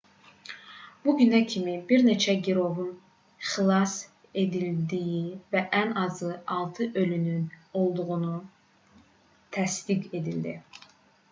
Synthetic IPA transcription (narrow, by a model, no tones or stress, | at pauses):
b̥uɟynæcʰimibiɾne̞t͡ʃʰæɟiɾo̞vun | χilˠɑs | e̞d̪ild̪ijivæʔænɑzɯɑlˠt̪ʰɯʔølynyno̞lˠd̪uɣunu | t̪ʰæst̪iɡe̞d̪ild̪i